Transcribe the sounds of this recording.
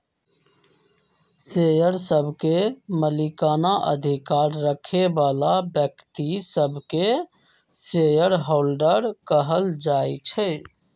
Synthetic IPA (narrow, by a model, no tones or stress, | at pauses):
sejəɾsəbʱkeməlikanaʔə̰d̪ʱikaɾːəkʰebalabjəkt̪isəbʱke | sejəɾɦolɖəɾkəɦəld͡ʒajt͡ʃʰɛ